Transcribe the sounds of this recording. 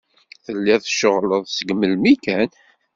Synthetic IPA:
θəlːɪθʃəʁləðˤsəɡməlmikæn

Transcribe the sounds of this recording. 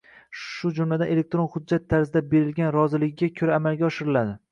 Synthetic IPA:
ʃʊd͡ʒʊmlad̪ane̞le̞k̚t̪ɾonχʊd̚d͡ʒːat̪ʰːaɾzɪd̪abe̞ɾɪlɡʲanɾɒzɪlɪɡʲɪɡʲakʲʰɵɾaːmalɡʲaɒʃɪɾɪlad̪ɪ

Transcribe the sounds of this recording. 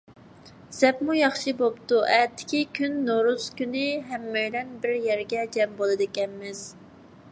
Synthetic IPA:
sɛpmujɑχʃɨbopt̪uʔɛt̪ʰːɪ̥kʲikʲʰynːoɾuskʲynɪɦɛmːøjlɛnbɪɾjɛɾɡʲɛd͡ʒɛmbolˠɨd̪ɪkʲɛnmɪz̥

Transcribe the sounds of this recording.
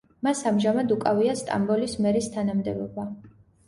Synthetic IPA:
masamʒamad̪ukʼaviast̪ʼa̰mbɔlismɛɾist̪ʰanamd̪ɛbɔba

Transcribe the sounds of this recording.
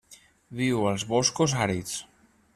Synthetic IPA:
βiwəlˠzβɔskozaɾit͡s

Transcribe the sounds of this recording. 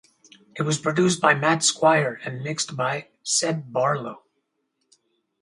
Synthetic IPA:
ɨt̚wʌz̥pʰɹ̥ɨdʉs̬b̥aɪmætskwaɪə˞ɨ̃nmɪkstb̥aɪ | sɛd̚bɑɹlˠoʊ

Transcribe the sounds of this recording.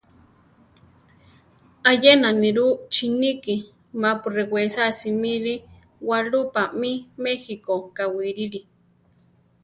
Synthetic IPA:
ajenaniɾut͡ʃiniki | mapurewesasimiɾi | walupamimexikokawiɾiɾi

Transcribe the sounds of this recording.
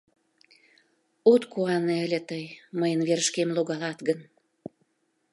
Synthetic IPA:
ot̪kuɑneə̆lʲĕt̪əjməjənβeɾəʃkemloɣɑlɑt̪ɡən

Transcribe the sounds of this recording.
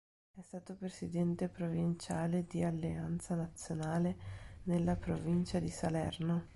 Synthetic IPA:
ɛst̪aːt̪opɾesid̪ɛnt̪epɾovint͡ʃaːled̪ialːeant̪sanat̪sːjonaːlenelːapɾovint͡ʃad̪isalɛ̰rno

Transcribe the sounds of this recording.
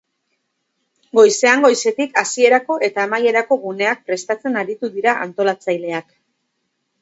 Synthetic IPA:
ɡo̞jse̞aŋɡo̞jse̞t̪ikasie̞ɾako̞ʔe̞t̪aːmaje̞ɾako̞ɣune̞ak̚pɾe̞st̪at͡se̞naɾit̪uðiɾaʔa̰nt̪o̞lat͡sajle̞ak

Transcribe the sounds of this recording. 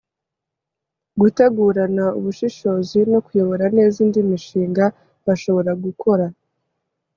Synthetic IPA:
ɡuteɡuːɾanaṵβuʃiʃo̞ːzino̞kujo̞βo̞ɾane̞ːziːndimiʃiːŋɡa | βaʃo̞βo̞ɾaɡukʰo̞ɾa

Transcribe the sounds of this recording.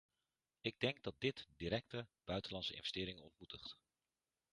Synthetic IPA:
ɪɡ̚dɛŋɡ̚dɑt̚dɪtdiɾɛk̚təb̥œɥtəlɑnsəʔɪ̰nvəstɪːɾɪŋənɔ̰ntmutəχt

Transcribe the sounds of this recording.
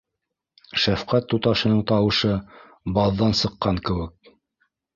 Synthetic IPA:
ʃæfqæt̪ːut̪ɑʃɤ̆nɤɴt̪ɑwɤ̆ʃɤ | bɑðːɑnsɤ̆qːɑŋkɘ̆wɘk̚

